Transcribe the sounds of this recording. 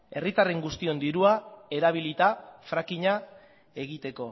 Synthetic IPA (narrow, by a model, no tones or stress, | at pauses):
e̞rit̪are̞ŋɡust̪io̞nd̪iɾuae̞ɾaβ̞ilit̪afɾakiɲa | e̞ɣ̞it̪e̞ko̞